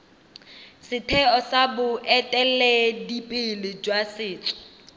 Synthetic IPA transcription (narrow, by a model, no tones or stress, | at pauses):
sɪtʰɛɔsabʊʔɛtʼɛlɛdipʼɪlɪd͡ʒwasɪːt͡sʼɔ̥